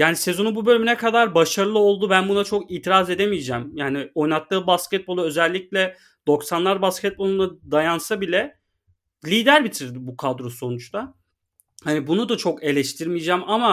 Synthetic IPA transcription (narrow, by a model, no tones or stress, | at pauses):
jaːnise̞zo̞nububø̞lʲyminɛkʰad̪aɾbaʃaɾɯlˠɯo̞lˠd̪ubænbunat͡ʃʰo̞kiːt̪ʰiɾaze̞d̪emijd͡ʒɛːmjaːnio̞jnat̪lːˠɯːbaskcɛt̪̚bo̞lˠuø̞zɛlʲːiclʲɛ | d̪̥o̞ksanlˠaɾbascʰɛt̪̚bo̞lˠunad̪ajansabilʲɛ | lʲiːd̪æɾbit̪ʰiɾd̪ibukʰad̪ɾoso̞nut͡ʃt̪ʰa | hanibunud̪at͡ʃʰo̞ke̞lʲɛʃt̪ʰiɾmijd͡ʒaːmama